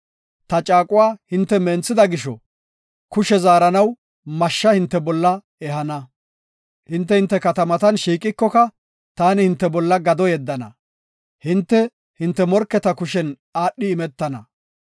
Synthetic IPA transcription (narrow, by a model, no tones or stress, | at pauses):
t̪ɐt͡ʃʼaːkʼʊwaːhɪnt̪ːɛmɛnt͡sːɪd̪ɐɡɪʃɔ | kʊʃɛzaːɾɐnɐw | mɐʃːɐhɪnt̪ːɛbɔlːɐ | ɛhɐnɐ | hɪnt̪̬ːɛhɪnt̪ːɛkɐt̪ɐmɐt̪ɐnʃiːkʼːɪkːɔkɐ | t̪aːnɪhɪnt̪ːɛbɔlːɐɡɐd̪ɔjɛd̪ːɐnɐ̰ | hɪnt̪ːɛ | hɪnt̪ːɛmɔɾkːɛt̪ɐkʊʃɛn | aːɗːɪːmɛt̪ːɐnɐ